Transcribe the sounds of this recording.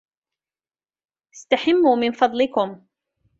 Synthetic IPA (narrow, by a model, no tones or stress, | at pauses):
ʔɪ̥st̪aħamːuːmɪnfɑd̪ˤlɪkʊm